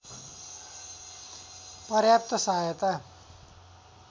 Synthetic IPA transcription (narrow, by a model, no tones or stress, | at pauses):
pʌɾjap̚t̪ʌsajʌt̪a